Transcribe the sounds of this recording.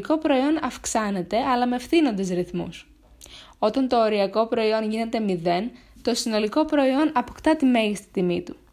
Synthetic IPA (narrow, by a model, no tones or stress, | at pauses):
ko̞pɾo̞io̞nɐfksɐne̞t̪e̞ɐlɐme̞fθino̞nd̪e̞zɾiθmṵs | o̞t̪ɐnt̪o̞ːɾiɐko̞pɾo̞io̞nʝine̞t̪e̞miðe̞n | t̪o̞sino̞liko̞pɾo̞io̞nɐpokt̪ɐt̪ime̞ʝist̪i̥t̪imit̪u